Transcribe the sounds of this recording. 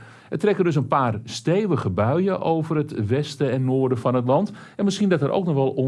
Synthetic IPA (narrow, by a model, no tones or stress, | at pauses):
ɛtrɛkəndɵs̬ənpaːrsteːʋəχəbœɥəʔowvərətʋɛstəɛnːoːrdəfɑnət̬lɑnt | ɛnmɪsχindɔtəɾʔo̰wknɔχʋɛlˠo